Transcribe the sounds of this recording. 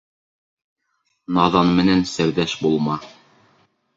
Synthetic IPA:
nɑðɑnmɘ̆nænsɘɾðæʃbulˠmɑ

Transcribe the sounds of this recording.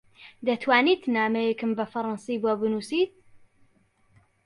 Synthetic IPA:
d̪ɐt̪ʰwaːnit̪naːmɛjɛkɨmbɐfɐɾˤɑnsibobɨnusit̪̚

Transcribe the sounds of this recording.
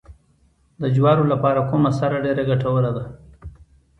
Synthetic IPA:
d̪əd͡ʒwɑːɾolapɑɾakomasaɾaɖeɾaɡaʈawəlad̪a

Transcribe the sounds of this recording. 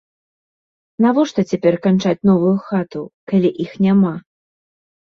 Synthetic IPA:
navɔʂt̪ɐt͡sʲapʲɛrkant͡ʂat͡sʲn̪ɔvujuxat̪ukalʲiʔixnʲama

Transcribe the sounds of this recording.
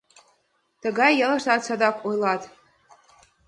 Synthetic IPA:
t̪ə̆ɣɑjːɤ̆lˠɤ̆ʃt̪ɑt̪sɑd̪ɑkojlˠɑt̪

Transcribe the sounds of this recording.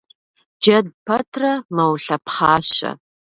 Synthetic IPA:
d͡ʒɐd̚pʰɐtʰrɐmɐwɬɐpʰχɑːɕɐ̰

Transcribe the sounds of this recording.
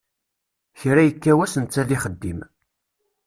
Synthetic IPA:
çɾæjəkːæwæsənt͡sːæðiχəd̪ːim

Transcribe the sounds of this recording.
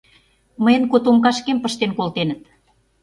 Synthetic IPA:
məjənkot̪omkɑʃkempəʃt̪enkolt̪enə̆t̪

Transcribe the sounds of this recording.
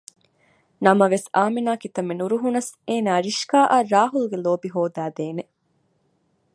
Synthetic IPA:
nɐmɐʋesaːminaːkit̪ɐmenuɾuɦunɐseːnaːɾiʃkaːʔaːɾaːɦuluɡeloːbiɦoːd̪æːd̪eːne

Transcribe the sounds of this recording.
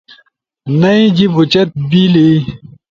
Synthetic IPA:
nɐĩd͡ʑibut͡ɕɐt̪̚bili

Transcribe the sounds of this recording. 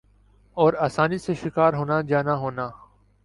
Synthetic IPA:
ɔːɾaːsaːniseʃɪkaːɾɦoːnad͡ʒaːnaɦoːnaː

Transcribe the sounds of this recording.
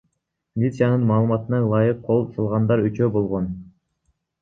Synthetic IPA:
mʲilʲit̪sɨjɑnɯnmɑːlˠɯmɑt̪ɯnɑlˠɑjɯqʰːo̞lˠsɑlˠʁɑnd̪ɑɾyt͡ʃøbo̞lˠʁon

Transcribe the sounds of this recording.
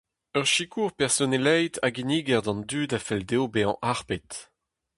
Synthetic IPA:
œʁʃikʰuʁpɛʁsonelɛjt̪ʰaɡiniːɡɛʁd̪ɑ̃nd̪yːdafɛld̪ewbeɑ̃ʔaʁpet

